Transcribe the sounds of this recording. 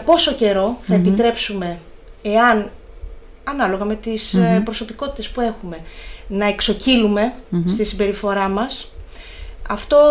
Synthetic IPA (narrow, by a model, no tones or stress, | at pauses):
po̞so̞ce̞ɾo̞θɐepit̪ɾe̞psume̞eɐn | ɐnɐlo̞ɣɐme̞t̪ispɾosopiko̞t̪i̥t̪espue̞xume̞nɐekso̞cilume̞st̪isibe̞ɾifo̞ɾɐmɐs | ɐft̪o̞